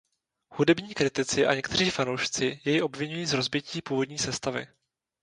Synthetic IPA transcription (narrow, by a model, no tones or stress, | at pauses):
hudɛbɲiːkɾɪt̪ɪt͡sɪʔa̰ɲɛkt̪ɛr̝iːfanowʃt͡sɪjɛjɪʔo̞bvɪɲujiːzɾo̞zbjɪciːpuːvo̞dɲiːsɛst̪avɪ̰